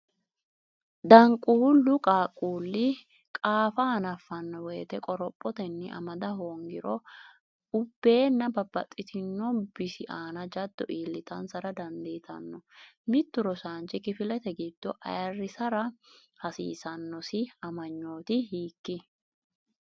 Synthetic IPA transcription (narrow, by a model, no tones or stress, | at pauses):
d̪ɐŋkʼʊhʊlːʊkʼaːkʼːuːlːɪ | kʼaːfɐɐnɐfːɐnːɔweːt̪ɛkʼɔɾɔpʼːɔt̪ɛnːɪʔɐ̰mɐd̪ɐɦoːŋɡɪɾɔ | ʊbːe̞ːnːɐbɐbːɐt̪ʼːɪt̪ʰɪnːɔbɪsɪʔaːnɐd͡ʒɐd̪ːɔ̰ʔiːlːɪt̪ɐnsɐɾɐd̪ɐnd̪ɛjt̪ʰɐ̰nːɔmɪt̪ːʊɾɔsaːnt͡ʃɪkɪfɪlɛt̪ɛɡɪd̪̥ːɔʔɐ̰jɐrːɪsɐɾɐ | hɐsḭːsɐnːɔsɪɐmɐɲːo̞ːt̪ɪhiːkːɪ